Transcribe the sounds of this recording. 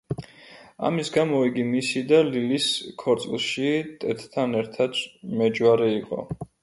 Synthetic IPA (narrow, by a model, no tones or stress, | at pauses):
a̰misɡamɔiɡimisid̪aliliskʰɔɾt̪sʼḭlˠʃit̪ʼɛt̪ːʰanɛɾt̪ʰad̪mɛd͡ʒwaɾɛiqʼɔ̰